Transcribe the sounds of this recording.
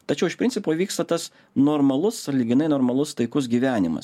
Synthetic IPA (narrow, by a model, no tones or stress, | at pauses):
t̪ɐt͡ʃʲɛʊɪʃpʲɾɪnʲsʲɪpoːʋʲiːkst̪ɐt̪ɐs | noːɾmɐlˠʊsɐlʲiɡʲɪnɐɪnoːɾmɐlˠʊst̪ɐɪkʊs̬ɡʲiːʋʲæːnʲɪmɐ̰s